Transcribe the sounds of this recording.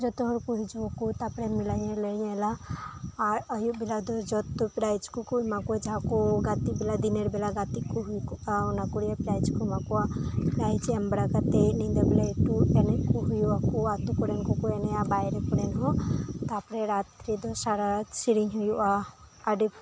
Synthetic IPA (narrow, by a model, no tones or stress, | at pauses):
d͡ʒɔt̪oɦuɾkuɦid͡ʒuokut̪apɾemilajeləjelaː | ɾəjubilad̪od͡ʒɔt̪ːupɾajd͡ʒkukuimakuad͡ʒakuɡat̪ibilad̪ineɾbilaɡat̪ikuɦujkuaunakuɽijapiɾajt͡ʃkumakuapiɾajt͡ʃembɽakat̪enid̪eblaʈuenekuɦujuakuat̪ukuɾenkukueneabajɾekuɾenɦut̪apɾeɾat̪ɾid̪osaɾaɾsiɾiŋɦujuʔaː | ɖip